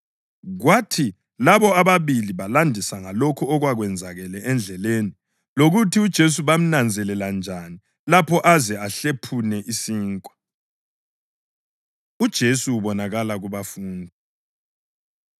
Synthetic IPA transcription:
ɣwatʰi | laβɔaβaβiliβalandʱisaŋalokʰuɔɣwaɣwɛnd͡zʱaɣɛlɛʔɛnd͡ɮʱɛleni | loɣutʰiud̥ʒ̥ʱes̬uβam̩nand͡zʱɛlɛland͡ʒʱani | lapʰɔʔazɛaɬepʰunɛʔisiːŋkʼwa | ud̥ʒ̥ʱesuːβɔnaɣalaɣuβafuːndʱi

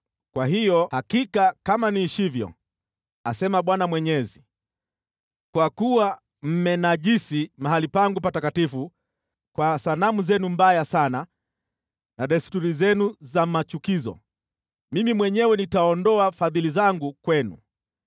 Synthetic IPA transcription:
kwahijɔhakikakamaniʃivjɔ̰ | a̰sɛmaɓwanamwɛɲɛzi | kwakuwa | m̩mɛnaʄisimaɦalipaŋɡupatakatifu | kwasanamuzɛnumbajasana | naɗɛstuɾizɛnuzamat͡ʃukizɔ̰ | mimimwɛɲɛwɛnitaɔndɔafaðilizaŋɡukwɛnṵ

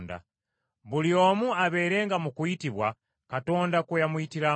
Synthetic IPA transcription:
nda̰ | buliomuaβeɾeŋɡamukuitiβwa | katondakujamuitiɾa

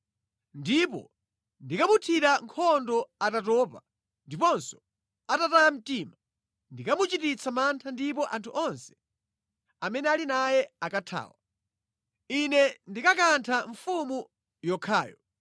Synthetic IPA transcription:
ndipɔ̰ | ndikamutʰiɾaŋkʰɔndɔatatɔːpa | ndipɔnsɔ̥ | atataam̩tiːma | ndikamut͡ʃitit͡sʰamantʰandip̬ɔʔantʰuʔɔnsɛ̥ | amɛnɛalinajɛakatʰa̰ːwa | inɛndikakantʰaɱfumu | jɔkʰa̰ːjɔ

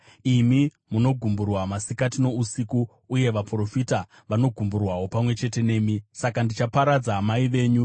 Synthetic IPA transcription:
imi | muno̞ɡʱumburwamasikatino̞usikuː | je̞ʋapuro̞fita | ʋano̞ɡʱumburwawo̞pamwe̞t͡ʃe̞te̞ne̞ːmisakandit͡ʃapaɾad͡zaɦːmaiʋe̞ːɲu

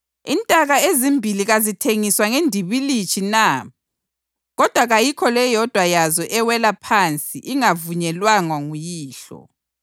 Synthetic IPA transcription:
intʼaɣaezimbʱiliɣazitʰeŋiswaŋendʱiβilit͡ʃʰʼina | ɣɔd̥ʱwaɣajikʰɔlɛjɔd̥ʱwajazɔʔɛwɛlapʰant͡sʼiʔiŋavuɲɛlwaŋwaŋujiːɬɔ̰

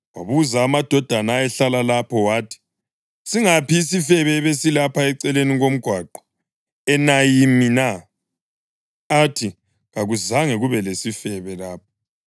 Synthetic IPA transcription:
wa̰βuzaːmad̥ʱɔd̥ʱanaɛɬalalapʰɔwaːtʰi̥ | siŋapiːsifɛβɛβesilapʰaɛǀɛleniɣom̩ɡ̥ʱwaǃɔ̥ | ɛnajimina | atʰi | ɣaɣuzaŋɛɣuβɛlesifɛβɛlaːp̚ʰɔ̥

